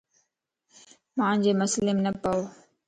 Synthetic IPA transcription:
mãːd͡ʑeːmʊslɪmnəpəoː

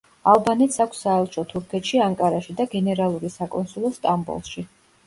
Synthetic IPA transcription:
alˠbanɛt̪sakʷʰsːaɛlˠʃʰɔt̪ʰuɾkʰɛt̪ʃiaŋkʼaɾaʃid̪aɡɛnɛɾalˠuɾisakʼɔnsulˠɔst̪ʼambɔ̰lˠʃi

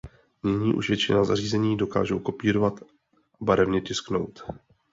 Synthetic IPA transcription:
ɲɪɲiːʔṵʃvjɛt͡ʃɪnaza̰r̝iːzɛɲiːdo̞ka̰ːʒowko̞piːɾovat̪ | ʔabaɾɛvɲɛcɪskno̞̰wt̪

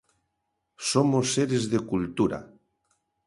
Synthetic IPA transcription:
somosːeɾezðekult̪uɾa̰

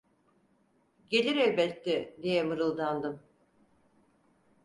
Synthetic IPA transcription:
ɟe̞lʲiɾøjbɛt̪ːɪd̪ijɛmɯɾɯlˠd̪and̪ɯm

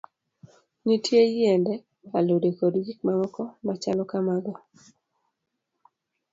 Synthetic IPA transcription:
nitʰjejɪɛndɛ | alodekodjik̚mamɔkɔmat͡ʃalɔkamaɡɔ

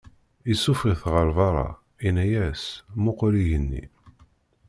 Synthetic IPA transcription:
isufʁiθʁəɾvɑɾˤɑ̰ | inæjæsmʊqʊɾiʝənːḭ

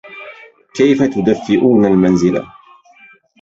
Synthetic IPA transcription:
kajfat̪ʊd̪afːɪʔuːnalmanzɪla̰

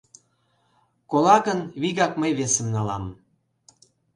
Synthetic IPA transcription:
kolɑɣənβiɣɑkməjβesəmnɑlɑm

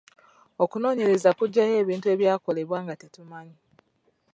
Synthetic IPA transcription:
okuno̞ːɲe̞ɾe̞zakuɟːaje̞ːβiːntue̞ːβjaːko̞le̞βwaːŋɡatetumaɲi

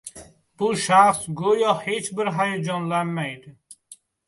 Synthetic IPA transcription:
b̥uʃaχsɡojɔhet͡ʃbɪɾɦajɔd͡ʒɔnlanmajd̪ɪ

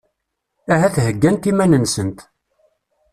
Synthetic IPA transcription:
æhæθɦəɡːænt̪imænənsənt̪

